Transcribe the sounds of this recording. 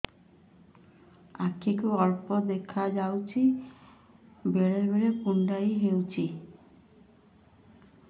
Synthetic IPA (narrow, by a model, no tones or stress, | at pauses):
akʰːikuɔlpɔd̪ekʰad͡ʒawt͡ʃʰi | beɾeɾbeɾepuɳɖajɦewt͡ʃʰi